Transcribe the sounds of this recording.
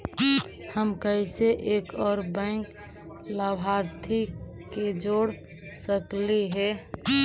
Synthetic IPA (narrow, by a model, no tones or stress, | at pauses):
həmkəɪseʔeːkɔːɾbɛ̃ɪŋk | ləbʱaɾt̪ʰi | ked͡ʒoːɽ | səkliɦɛ